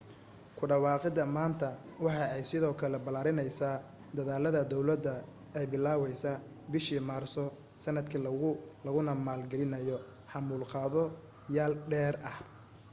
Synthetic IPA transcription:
kʰʊɖɑwɑːqɪd̪ɐmaːnt̪ʰɐwɑħɑɛjsɪðɔːkʰɐlɛbɐlaːɾɪnɛjsaː | d̪ɐðaːlɐðɐd̪ɔwlɐd̪ɐ | ɛjbɪlːaːwɛjsaː | bɪʃiːmaːrsɔ | sɐnɐd̪kʰɐlɐɣʊnɐmaːlɡɛlɪnɐjɔ | ħɑmuːlqɑːðɔ | jaːlɖɛːrɐh

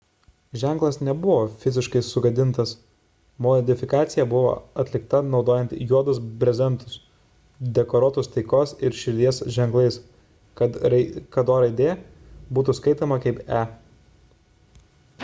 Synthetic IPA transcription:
ʒʲæˑŋˑklˠɐsnʲɛbʊʋoːfʲɪzʲɪʃkɐɪsʊɡɐd̪ʲɪnt̪ɐs | mod̪ʲɪfʲɪkɑːt̪sʲɪjɛbʊʋo̰ːɐt̪ʲlʲɪkt̪ɐnɒʊd̪oːjɛnt̪juɔd̪ʊsbʲɾʲɛzʲɛnt̪ʊs | d̪ʲɛkɔɾoːt̪ʊst̪ɐɪkoːsɪɾʃʲɪɾʲd̪ʲiɛsʒʲɛŋklˠɐɪs | kɐkɐd̪oːɾɐɪd̪ʲeː | buːt̪ʊskɐɪt̪oːmɐkɐɪpæː

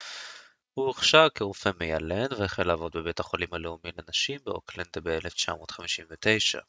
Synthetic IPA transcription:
hueχʃavkeʁufeme̞jale̞nveeχelaːvo̞d̪̚bebe̞taχolimhaleumimlenaʃimbeo̰kland̪ebeeleft͡ʃa̰mo̞ːt̪χamiʃinvet̪e̞jʃa̰

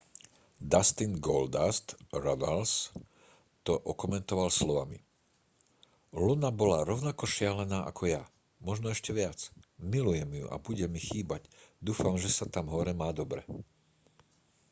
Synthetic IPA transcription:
d̪ast̪inɡɔld̪ast̪ɾad̪als | t̪ɔʔɔkɔmɛnt̪ɔʋalslɔʋami | lunabɔlaɾɔʊnakɔʃɪalɛnaːʔa̰kʰɔja | mɔʒnɔɛʃcɛʋɪat͡smilujɛmjṵʔa̰buɟɛmixiːbaɟd̪uːfamʒɛsat̪amɦɔɾɛmaːd̪ɔbɾɛ

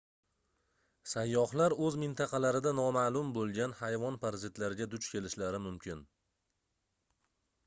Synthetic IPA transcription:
sajːɒhlaɾɵzmɪnt̪ʰɑqʰɑlaɾɪd̪anɒmalˠʊmbolˠɡʲanhajvɒnpʰaɾzɪt̪laɾɪɡʲad̪ʊt͡ʃkʲʰe̞lɪʃlaɾɪmʊmkʲʰɪn

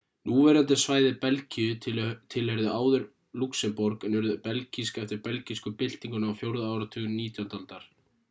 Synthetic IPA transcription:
nuːvɛɾant̪ɪsvaːjðɪpɛlcɪʏt̪ʰɪlhɛɾðʏaːwðʏɾ | luksɛmpɔɾkɛnʏɾðʏpɛlciskɛft̪ɪɾpɛlciskʏpɪl̥t̪iŋkʏnaawfjowɾðaaːwɾat̪ʰʏːɣʏnːiːt̪jawnt̪alt̪aɾ̥

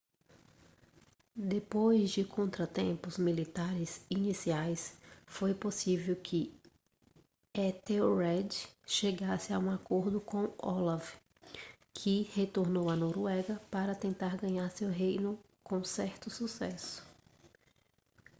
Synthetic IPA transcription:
d̪epojzd͡ʒɪkʰõnt̪ɾɐt̪ẽmpʊzmilit̪aɾɪzinisiajsfojposivewkʰɪ | ɛt̪eoɾɛd͡ʒʃeɡasɪaũakoɾd̪ʊkõw̃ɔlav | kʰɪhet̪oɾnowɐnoɾuɛɡɐpaɾɐt̪ẽnt̪aɾɡɐ̃ɲaɾsewɦejnʊ | kõw̃sɛɾt̪ʊsusɛsʊ̥

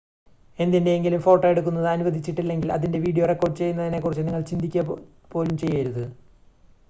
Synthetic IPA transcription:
e̞nd̪indeːŋɡilumfo̞ːʈːoːjeɽuk̬ːunːɐðɨɐnuʋɐd̪ʱit͡ɕːiʈːilːe̞ŋɡilɐ̰ðinde̞ʋiːɽijorekːo̞ːrɖt͡ɕe̞jːunːɐðine̞kːurit͡ɕːɨniŋːɐɭt͡ɕind̪ʱikʲːɐ | po̞ːlumt͡ɕe̞jːɐjiɾuðɨ

